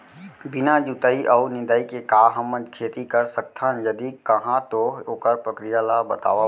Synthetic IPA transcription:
bɪnad͡ʒut̪əiʔɔnɪ̃nd̪aːikekaːɦəmə̃d͡ʒkʰeːt̪ikɐɾsək̚t̪ʰãjɐd̪ikɐɦãt̪ooːkəɾpɾəkɾijalabɐt̪a̰ːʋa

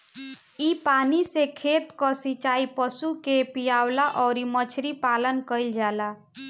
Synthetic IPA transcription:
ipanisekʰet̪kɔsit͡ʃaipəsukepijawlaʔɔʊɾimət͡ʃʰɾipalənkəild͡ʒala

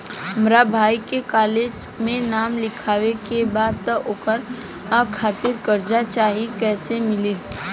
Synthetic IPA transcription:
ɦɐmɾabʱaːikekaːleːd͡ʒmẽnaːmlɪkʰaːʋekebaːd̪̚t̪aʔoːkəɾ | akʰaːt̪ɪɾkəɾd͡ʒat͡ʃaːɦikɛːsemɪliː

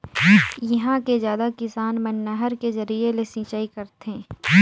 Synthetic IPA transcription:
jɐɦãkezjaːd̪akɪsaːnmɐnːəɦəɾkezɐɾielesĩːt͡ʃaːikɐɾt̪ẽː

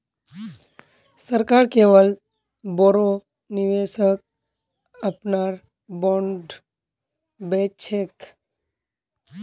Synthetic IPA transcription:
səɾkaːɾkeːʋəl | boɾo | nɪʋeːsək̚ | əpnaːɾ | bɔ̃ːɳɖ | beːt͡ʃʰek

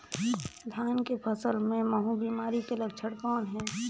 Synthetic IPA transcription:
d̪ʱjaːnkepʰəsəlmẽməɦũbiːmaːɾikeləɡ̚t͡ʃʰəɽkɔːnɦɛ̃ː

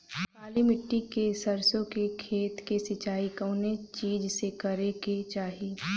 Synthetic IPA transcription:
maːlimɪʈːikesɐɾsõkekʰeːt̪kesɪt͡ʃaːikəːnet͡ʃiːd͡ʒsekɐɾeket͡ʃaːɦiː

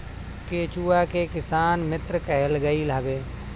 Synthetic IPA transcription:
keːt͡ʃuːakekɪsaːnmɪt̪ɾəkəɦelɡəilabeː

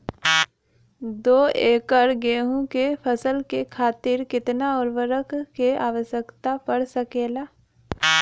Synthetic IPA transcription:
d̪oːeːkəɾɡeːɦũkepʰəsəlkekʰaːt̪ɪɾkɪt̪naɔːɾʋəɾəkkeaːʋəʃjəkt̪apəɽsəkeːlaː

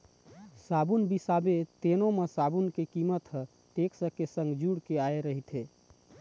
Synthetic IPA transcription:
sabunbisabet̪enomesabunkekimət̪ɦə̃ | ʈeksəkesə̃ŋɡd͡ʒuɽkeaeɾəɦit̪ʰe

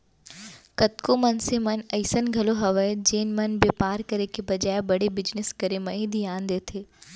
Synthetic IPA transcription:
kɐt̪komɐnsemɐnɐɪsənɡʱɐloɦɐʋəd͡ʒeːnmɐnbeːpaːɾkɐɾekebɐd͡ʒaːebɐɽebɪd͡ʒnɪskɐɾemɐ̃ɦid̪ʱijãːnd̪eːt̪ʰeː

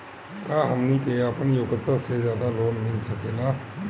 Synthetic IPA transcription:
kaːɦəmniːkeəpnjoːɡət̪ːasezjaːd̪aːloːnmɪ̃ĩsəkeːlaː

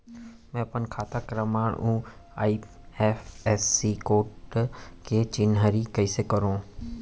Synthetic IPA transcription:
mɛ̃ːɐpənkʰaːt̪akɾəmaːɽʔu | aːi | ɛːfɛːsikoːʈket͡ʃɪnɦaɾikɐisekəɾõː

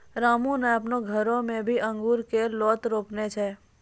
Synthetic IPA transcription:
ɾaːmũnɛəpnoɡʱəɾõmẽbʱiʔə̃ŋɡuːɾkelɔːt̪ɾoːpnet͡ʃʰɛː

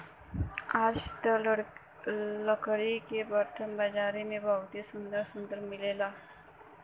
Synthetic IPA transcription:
aːd͡ʒt̪ə | ləkɽikebəɾt̪ʰəmbad͡ʒaːɾimẽbʱɐʋt̪isʊ̃nd̪əɾsʊ̃nd̪əɾmɪleːlaː

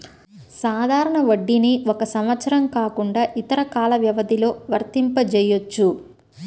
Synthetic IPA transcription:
saːd̪ʱaːɾɐɳɐʋɐɖːiniɔkɐsɐmʋɐt̪sɐɾɐmkaːkuɳɖaːʔit̪ɐɾɐkaːlɐʋjɐʋɐd̪ilo̞ːʋɐɾt̪impɐd͡ʒɛjot͡ʃːu

